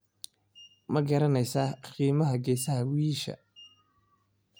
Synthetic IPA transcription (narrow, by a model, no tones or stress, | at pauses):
mɐɡɐɾɐnɛjsaːqiːmɐɦɐɡɛːsɐɦɐwiːʃɐ̰